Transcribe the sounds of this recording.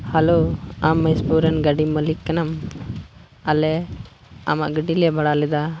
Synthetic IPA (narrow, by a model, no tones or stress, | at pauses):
haloamːəspuɾənɡaɖiməlikːɐnam | alɛ | ɐma̰ʔɡəɖiljɛbaɽalɛd̪a